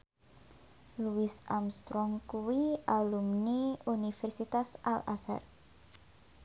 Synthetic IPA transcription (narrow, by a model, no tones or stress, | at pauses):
luɪsamst̪ɾɔŋkuwiʔalumniunifɛrsit̪asala̰sa̰r